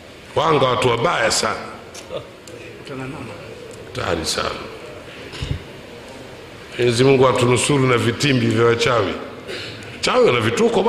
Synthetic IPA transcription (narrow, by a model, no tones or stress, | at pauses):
waŋɡawatuwaɓajasana | ta̰ɾisa̰na | ɔɲɛzimuŋɡuhatunusuɾunavitimbivjawat͡ʃawḭ | at͡ʃawiwanavitukɔ